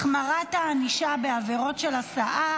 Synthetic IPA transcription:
χmaʁat̪aːniʃabe̞aveʁo̞tʃelasaʔa

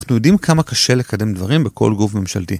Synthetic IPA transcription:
χnujo̞dimkʰamakaʃe̞le̞kade̞md̪vaʁimbeko̞̰lɡufme̞mʃa̰lti

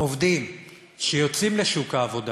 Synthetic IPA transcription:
ovd̪im | ʃejot͡simleʃukaːvo̞d̪a

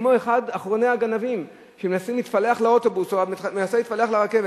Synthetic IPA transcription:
moeχadaχʁo̞ne̞haɡanavim | ʃemenasimit̪fale̞aχleo̞to̞busoamenasait̪fale̞aχleʁake̞ve

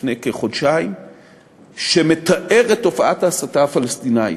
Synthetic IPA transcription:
nekeχodʃaim | ʃe̞me̞t̪aʔe̞ʁet̪ːo̞faʔat̪asataafalest̪inaḭ

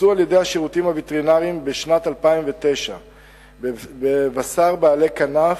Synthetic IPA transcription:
ualje̞d̪ejhaʃiʁutimhavit̪eʁinaʁiimbeʃnat̪alpaimvet̪e̞jʃa | bevasaʁbaːle̞kanaf

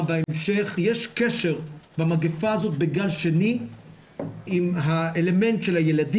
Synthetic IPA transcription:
baemʃe̞χjeʃkeʃe̞ʁbamaɡefaːzo̞t̪̚beɡalʃe̞ni | imɦaele̞me̞nt̪ʃelhajeladi

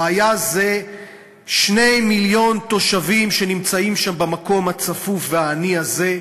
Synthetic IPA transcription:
ajaze̞ | ʃne̞jmiljo̞nt̪o̞ʃavimʃe̞nimt͡saimʃambemako̞mhat͡safufveaːniaze̞

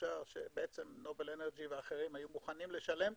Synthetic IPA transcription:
aʁʃe̞̰beʔe̞t͡se̞mno̞beleneʁd͡ʒiveaχe̞ʁimajumuχanimle̞ʃale̞m

